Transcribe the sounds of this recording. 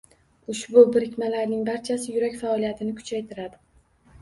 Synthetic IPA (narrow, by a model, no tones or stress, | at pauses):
ʊʃbʊbɪɾɪkʲmalaɾnɪŋbaɾt͡ʃʰasɪjʊɾakʲfaɒlijat̪ʰɪnɪkʰʊ̥t͡ʃʰajt̪ʰɪɾad̪ɪ